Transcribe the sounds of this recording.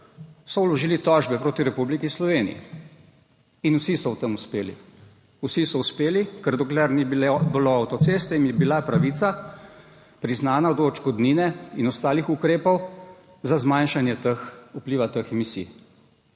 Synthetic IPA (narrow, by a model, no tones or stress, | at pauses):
sɔwlɔʒiːlit̪ɔʒbɛpɾoːt̪iɾɛpublikislɔʋeːnḭjḭ | inusisɔwt̪əmuspeːlḭ | usisɔuspeːlikɛɾd̪ɔklɛɾnibiloawt̪ɔt̪seːst̪ɛinjɛbilapɾaʋit̪sa | pɾiznaːnad̪ɔːt͡ʃkɔd̪niːnɛinɔst̪aːlixukɾeːpɔw | zazmajnʃanjɛt̪əxupliːʋat̪əxɛmisḭː